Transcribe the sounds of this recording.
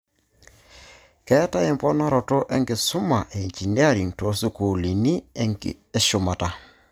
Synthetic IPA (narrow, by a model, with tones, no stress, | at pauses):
kɛ˦ta˦jɛ˨mpɔ˦na˦ɾɔ˨tɔ˦ʔɛ˦ŋɡɪ˨sʊ˦ma˨ʔe˨ɲt͡ʃi˨ni˦a˦ɾi˨ŋto˨˦su˦ku˨li˨ni˦ŋ̰˨ | ɛ˦ʃʊ˨ma˨ta˨